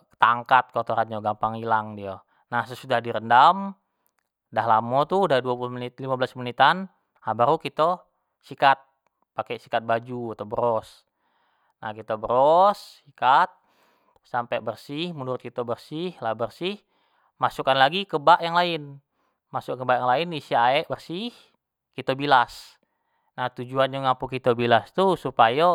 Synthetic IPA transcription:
t̪aŋkat̪̚kɔt̪oɾand͡ʒaɡampaŋilaŋdia | nahsəsudahdiɾəndam | daɦlamɔt̪udaduapuluhmənit̪̚limabəlasminit̪an | abaɾukit̪o | sikat̪̚ | pakɛsi̥kat̪̚bad͡ʒuat̪obəɾɔs | na̰hkit̪abəɾɔsikat̪̚ | sampɛbərsihmənuɾʊt̪̚kit̪əbərsihlabərsih | masukanlaɡikəbaʔjaŋlaɪn | masukkəbaʔjaŋlaɪnisiaɛʔbərsih | kit̪obilas | naht̪ud͡ʒuand͡ʒuŋampukit̪obilast̪usupaja

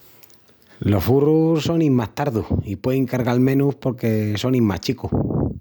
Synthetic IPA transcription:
lo̞sfurusso̞nimast̪aɾðuhipweðiŋkaɾɣalmẽ̞nuspo̞ɾke̞so̞nimma̰t͡ʃiku

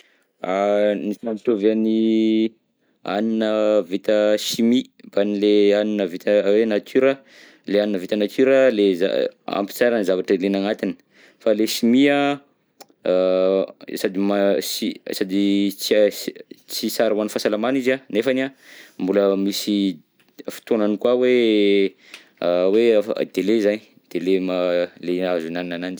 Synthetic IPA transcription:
anisamit̪oveani | a̰ninəvit̪əʃimib̥anileaninəvit̪əwenat̪ʰyɾə | leaninəvit̪ənat̪yɾəleza̰a̰mpi̥t͡saɾənizavaʈ͡ʂəlenaŋat̪ini̥ | faleʃimia | sad̪imasisad̪it͡s | t͡sisaɾawanifasalamanizanefanambuləmisi | fi̥t̪onanikwawe | wea̰d̪̥elezaɲi | d̪̥elemaleazunaninanand͡ʒi̥

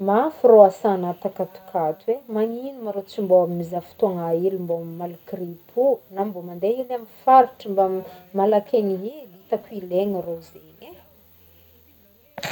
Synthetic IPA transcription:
mafiroasaːnat̪akat̪u̥kʰat̪wemaŋinimaɾot͡simboamimizafu̥t̪uaŋailimbommalukripʰunambomand̪einamifaɾiʈ͡ʂimbamalakʰʲeniɦilit̪akuileŋirozeɲe

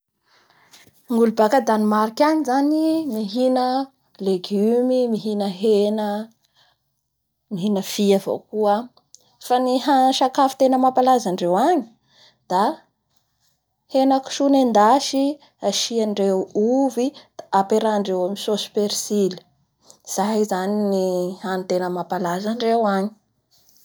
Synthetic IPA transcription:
ŋulubakad̪animaɾikʲaɲizanimiɦinə | leɡymimiɦinəɦenə | miɦinəfiavo̰kua | faniɦanʃakafi̥t̪enəmapalazaɳɖ͡ʐewaɲi̥ | d̪̥a | henəku̥ʃunend̪aʃi | aʃiaɳɖ͡ʐewuvid̪apeɾaːɳɖ͡ʐewamisosu̥peɾsili̥ | z̥ajzaninihanit̪enəmapalazaɳɖ͡ʐewaɲi̥

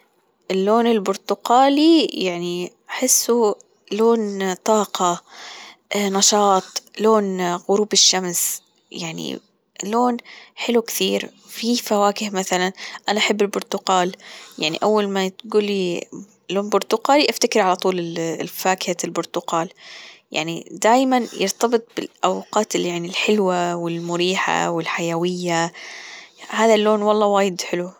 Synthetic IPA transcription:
ʔɪlːoːnɪlbʊɾt̪ʊqaːlijaʕniʔaħɪsːu | loːnt̪ˤɑːqɑ | nɑʃɑːt̪ˤloːnɣʊɾuːbɪʃːams | jaʕnḭ | loːnħɪlukθiːɾ | fifawaːkɪhmaθalanʔanaʔaħɪbːɪlbʊɾt̪ʊqaːljaʕnḭʔawːalmat̪ɡuːlːi | loːnbʊɾt̪ʊqaːliʔaft̪akɪɾʕalat̪ˤuːlɪfaːkɪhalbʊɾt̪ʊqɑːlja̰ʕnḭd̪aːjmanjɪ̰ɾt̪ɑbɨt̪̚ˤbɪ̰lʔawqɑːt̪ɪljaʕnilħɪlwawɪlmʊɾiːħa̰wɪlħajawɪjːa | haːðalːoːnwɑlˤːɑːwaːjɪd̪ħɪlu

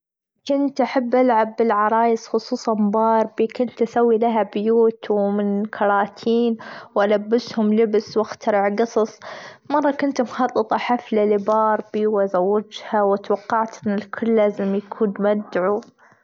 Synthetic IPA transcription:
kʊnt̪ʔaħabːʔalʕabːɪlʕɑɾˤɑːjɪsxʊsˤuːsˤɑnbɑːɾˤbikʊnt̪ʔasawːilaɦabjuːt̪wmɪnkʰɑɾˤɑːt̪ʰiːnwʔalabːɪshʊmlɪbswʔaxt̪ɑɾɪʕɡɑsˤɑsˤmɑrˤːɑkʊnt̪mxɑt̪ˤːɨt̪ˤɑħaflalɪbɑːɾˤbiwʔazawːad͡ʒhawat̪wɑqːɑʕt̪ɪnɪlkʰʊlːaːzɪmjakʰuːnmad̪ʕu

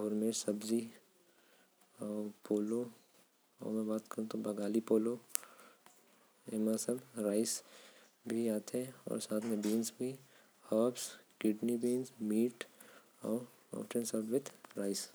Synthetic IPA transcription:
ɔːɾmeːsɐbzi | ɔːpoːlo | ɔ̰ːɾmɛ̃baːt̪kəɾũt̪obɐɡaːlipoːlo | emãsɐbɾaːɪs | bʱiaːt̪ʰeɔ̰ːɾsaːt̪ʰmẽbiːnsbʱi | həːpskɪʈnibiːnsmiːʈ | ɔːɾ | ɔ̰ːpʰʈẽnsəʈʋɪd̪ɾaːɪs

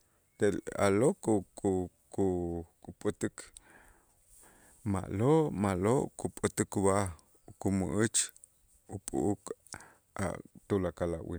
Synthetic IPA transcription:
t̪eʔla̰lokukukukupʼut̪ɨk | ma̰ʔloʔmaloʔkupʼut̪ɨkba | ukumuʔɨt͡ʃ | upʼṵʔuk | a̰t̪ulakalaʔwḭ

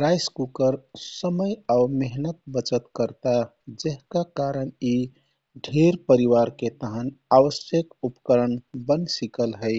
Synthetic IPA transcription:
ɾajskukəɾsəməjaʊmeɦnət̪̚bət͡ʃət̪kəɾt̪a | d͡ʒeɦkakaɾəni | ɖʱeɾpəɾiʋaɾket̪əɦənaʋəsjəkupkəɾənbənsikəlɦəɪ

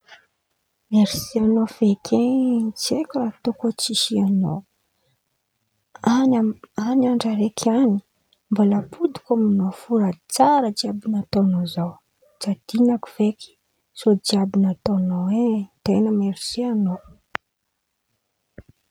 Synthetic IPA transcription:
meɾsianofekʰet͡sekuɾat̪okot͡siʃiano̰ | aanaɳɖ͡ʐaɾekʰani̥ | mbolapʰud̪i̥kʲomanofuɾait͡saɾəd͡ʒiabinat̪onozaw | d͡ʒad̪̥inaku̥v̥eki̥ | sod͡ʒiabinat̪onoet̪enəmeɾisiano

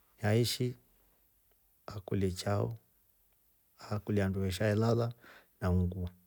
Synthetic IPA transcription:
jaiʃi | akulɛt͡ʃaɔ̰ | akulianduɛʃ̬aɛlalanamuɡu

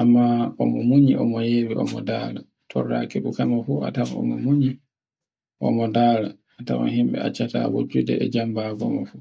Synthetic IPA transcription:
ʔamːaɔmɔmuɲiʔɔmɔjewiɔmɔdala | tʰɔrːa̰keɗukamafuatamaɔmɔmuɲi | ʔɔmɔdaːla | ata̰mɔɦimɓɛ̰at͡ʃːata̰wo̰d͡ʒudɛɛd͡ʒambaɡɔmɔfu

